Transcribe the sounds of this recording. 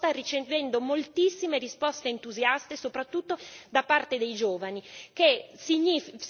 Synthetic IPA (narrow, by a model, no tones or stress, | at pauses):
t̪arit͡ʃevɛnd̪omolt̪isːimeɾispɔst̪eːnt̪uzjast̪esopɾat̪ːut̪ːod̪apart̪ed̪ejd͡ʒoːvanikesiɲif